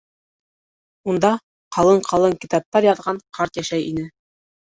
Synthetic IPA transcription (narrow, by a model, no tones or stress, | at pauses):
und̪ɑ | qɑlˠɤɴqʰɑlˠɤŋkit̪ɑp̚t̪ɑɾjɑðʁɑɴqʰɑɾt̪jæʃæjinɘ